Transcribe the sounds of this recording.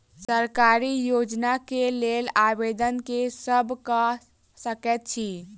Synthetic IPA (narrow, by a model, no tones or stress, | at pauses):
səɾkaɾijod͡ʒnakelelabed̪ənkesəbʱkə | səkɛt̪̚t͡ʃʰi